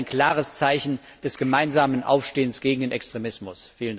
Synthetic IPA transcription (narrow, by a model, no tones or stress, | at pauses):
ɪnkl̥aːʁ̞əst͡saɪçn̩ | d̥ɛsɡ̥əmaɪnzaːmənʔa̰ʊfʃteːənsɡ̥eːɡŋ̩deːnʔɛkstʁ̥emɪsmʊsfiːlənd